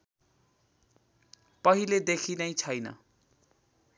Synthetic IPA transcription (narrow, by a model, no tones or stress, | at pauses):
pʌɦiled̪ekʰinʌjt͡sʰʌjnʌ̰